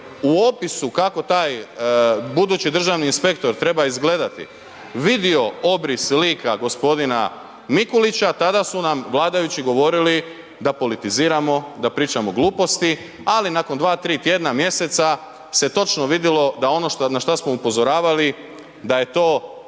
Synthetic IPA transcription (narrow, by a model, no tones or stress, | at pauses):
uopisukako̞t̪aːj | bud̪uːt͡ɕid̪r̩ʒaʋniːnspe̞kt̪o̞ɾt̪ɾe̞baizɡle̞d̪at̪ḭ | ʋid̪io̞obɾisliːkaɡo̞spo̞d̪ina | mikulit͡ɕat̪ad̪asunamʋlˠaːd̪ajut͡ɕiɡo̞ʋo̞ɾili | d̪apo̞lit̪iziːɾamo̞d̪apɾiːt͡ʃamo̞ɡlˠuːpo̞st̪i | alinakond̪ʋaːt̪ɾiːt̪je̞d̪namje̞se̞t̪sa | se̞t̪o̞t͡ʃno̞ʋid̪jilo̞d̪ao̞no̞ʃt̪naʃt̪asmo̞upo̞zo̞ɾaːʋali | d̪aje̞t̪o̞ː